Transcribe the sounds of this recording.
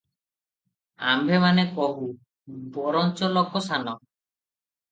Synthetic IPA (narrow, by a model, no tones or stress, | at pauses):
a̰mbʱemanekɔɦu | bɔɾɔnt͡ʃɔlɔkɔsanɔ